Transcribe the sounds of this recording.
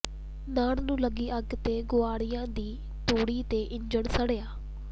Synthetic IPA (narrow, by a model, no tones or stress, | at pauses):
naːɽnũːləɡiːʔəɡt̪eːɡʊaːɽɪjãːd̪iː | t̪oːɽiːt̪eːʔɪɲd͡ʒəɳsəɽeːaː